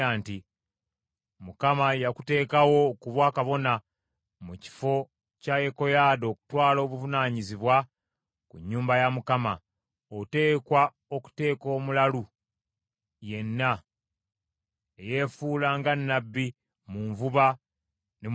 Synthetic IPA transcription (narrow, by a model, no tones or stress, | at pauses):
aːnti | mukamajakute̞ːkawo̞ːkuβwaːkaβo̞na | muci̥fo̞ | cajeko̞jaːdo̞ːku̥twaːlo̞ːβuvunaːɲiziβwa | kṵɲːuːmbajamukama | ote̞ːkwa | oku̥te̞ːko̞ːmulalu | je̞nːa | eje̞fuːlaːŋɡanːabːi | muːɱvuβa | ne